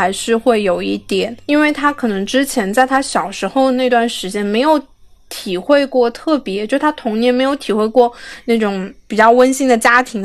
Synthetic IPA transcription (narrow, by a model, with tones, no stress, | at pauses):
a˧˥ɪʂɻ̩˥˧xwe˥˩ɪjo˨˩ʊi˥˩t̪jɛ˨˩˦ni˥nwe˥˩ɪt̪ʰa˥kʰɤ˨˩nɤ˧˥ŋʈ͡ʂɻ̩˥t͡ɕʰjɛ˧˥nt͡sa˥˩ɪt̪ʰa˥ɕjɑ˨˩ʊʂɻ̩˧˥xo˥˧ʊna˥˩ɪt̪wa˥˩nʂɻ̩˧˥t͡ɕjɛ˥nme˧˥ɪjo˧˥ʊ | t̪ʰi˨˩xwe˥˧ɪkwɔ˥˧t̪ʰɤ˥˩pjɛ˧˥t͡ɕjo˥˧ʊʂɻ̩˥˩t̪ʰa˥t̪ʰʊ˧˥ŋnjɛ˥nme˧˥ɪjo˧˥ʊt̪ʰi˨˩xwe˥˧ɪkwɔ˥˧na˥˩ʈ͡ʂʊ˧˥˦ŋpi˨˩t͡ɕjɑ˥˩ʊwə˥nɕi˥ŋd̪ə˨˩t͡ɕja˥t̪ʰi˧˥ŋ